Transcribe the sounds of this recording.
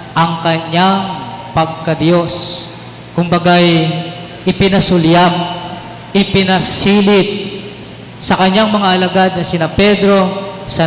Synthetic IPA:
ʔɐŋkɐɲːaŋpɐɡ̚kɐd̪jo̞s | kʊmbɐɡaj | ʔɪpɪnɐsʊljam | ʔɪpɪnɐsiːlɪp̚ | sɐkɐɲːaŋmɐŋaʔɐlɐɡad̪̚nɐsɪnapɛd̪ɾo̞sɐ

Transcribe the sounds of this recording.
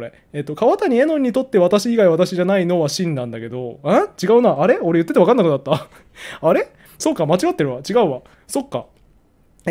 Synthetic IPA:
oɾe | et̪ːokaβat̪aɲ̟ie̞nõ̞ɲ̟ːit̪o̞t̪ːe̞βat̪aɕiːɡaiβat̪aɕiʑanaino̞βaɕĩnd̪ãnd̪ake̞d̪o̞̰at͡ɕiɡaɯ̟naːɾe̞o̞ɾe̞jɯ̟t̪ːet̪eakãnːakɯ̟d̪at̪ːa | aɾe̞ | so̞ːkːamat͡ɕiɡat̪ːeɾɯ̟βat͡ɕiɡaɯ̟βa | so̞kːa̰

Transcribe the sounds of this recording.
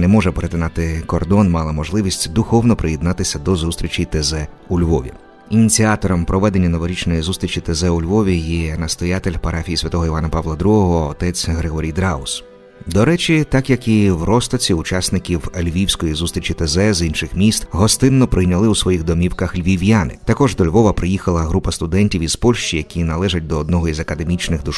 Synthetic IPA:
nɛmɔʒɛpeɾet̪ɪnɑt̪ɪkɔrd̪ɔnmɑlˠɐmɔʒlˠɪʋʲisʲtʲd̪ʊxɔwnɔpɾɪjɛd̪nɑt̪ɪsʲɐd̪ɔzust̪ʲɾʲit͡ʃʲit̪ezɛ | ʊlʲʋɔʋʲḭ | inʲit͡sʲiɑt̪ɔɾɔmpɾɔʋɛd̪enʲːɐnɔʋɔɾʲit͡ʃnɔjizust̪ɾʲit͡ʃʲit̪ezɛʊlʲʋɔʋʲijɛnɐst̪ɔjat̪elʲpɐɾɑfʲijisʲʋʲɐt̪ɔɦɔiʋɑnɐpɑʋlˠɐd̪ɾuɦɔɦɔːt̪ɛt͡sʲɦɾeɦɔɾʲijd̪ɾɑʊs | d̪ɔɾɛt͡ʃʲit̪ɑkjɐkiwrɔst̪ɔt͡sʲiʊt͡ʃɑsnɪkʲiwlʲʋʲiwsʲkɔjizust̪ɾʲit͡ʃit̪ezɛzinʃɪxmʲist̪ɦɔst̪ɪnːɔpɾɪjnʲɐlˠɪwsʋɔjixd̪ɔmʲiwkɐxlʲʋʲiʋʲjanɪ̰t̪ɐkɔʒd̪ɔlʲʋɔʋɐpɾɪjixɐlˠɐɦɾupɐst̪ʊd̪ɛnʲtʲiwizpɔlʲʃt͡ʃijɐkʲinɐlˠɛʒɐt̚ʲd̪ɔːd̪nɔɦɔizɐkɐd̪e̞mʲit͡ʃnɪɣd̪ʊʃ

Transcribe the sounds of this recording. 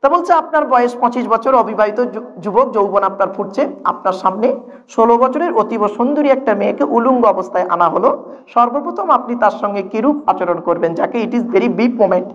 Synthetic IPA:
t̪abolt͡ɕʰeap̚naɾbɔeeʃpɔ̃t͡ɕiʃbɔt͡ɕʰoɾɔbʱibait̪od͡ʑubok̚d͡ʑowbonapnaɾfuʈt͡ɕʰea̰p̚naɾʃamne | ʃolobɔt͡ɕʰoɾeɾot̪iboʃond̪uɾiɛk̚ʈameekeʔuluŋɡɔbost̪ʰaeʔa̰naɦoloʃɔɾbopɾot̪ʰomapnit̪aɾʃɔŋɡekiɾup̚at͡ɕoɾonkoɾbend͡ʑakeiʈizveɾibip̚momeɳʈ

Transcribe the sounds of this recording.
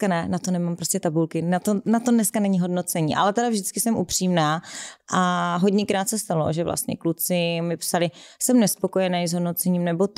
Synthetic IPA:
kanɛnat̪o̞nɛmampɾoscɛt̪abulkɪnat̪onat̪o̞dnɛskanɛɲɪɦo̞dno̞t͡sɛɲḭːʔa̰lɛt̪ɛdavʒdɪt͡skɪsɛmʔupr̝̥iːmnaːʔaɦo̞ɟɲɛkɾaːt̪sɛst̪alo̞̰ʒɛvlʔa̰st̪ɲɛ̰klut͡sɪmɪpsalɪsɛmnɛspo̞ko̞jɛnajzɦo̞dno̞t͡sɛɲiːmnɛbo̞t̪

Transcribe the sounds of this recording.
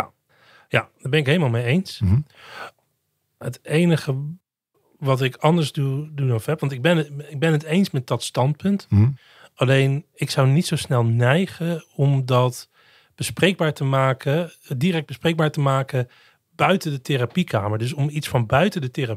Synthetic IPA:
jad̥aːɹbɛnɪkɦejləmaːlˠmejejns | ɦətejnəχə | ʋɑtɪkɑndəɹzdudunɔfɛpʋɑntɪɡ̚bɛnɪɡ̚bɛnɦətejnsmɛt̚dɑtstɑnt̚pɵnt | ɑlejnɪksɑwnitsowsnɛlˠnɛjχəɔmdɑt | b̥əsprejɡ̚baːɹtəmaːkə | diɾɛk̚bəspreɡ̚baːɹtəmaːkə | b̥œɥtəndətɪrapika̰ːməɹdɵs̬ɔmitsfɑnbœɥtəndətɪra

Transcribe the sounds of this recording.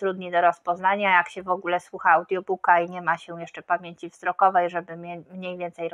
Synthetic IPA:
t̪ɾud̪ɲid̪ɔɾɔspɔznaɲajakɕɛvɔɡulɛswuxaːwd̪jɔbukaiɲɛmaɕɛjɛʂt͡ʂɛpamʲjeɲt͡ɕivzɾɔkɔvɛjʐɛbɘmɛmɲejvʲjɛnt̪sɛj

